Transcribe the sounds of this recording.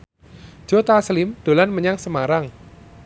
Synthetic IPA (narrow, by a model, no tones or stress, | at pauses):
d͡ʒ̥ot̪aslɪmd̥o̤lanməɲaŋsəmaɾaŋ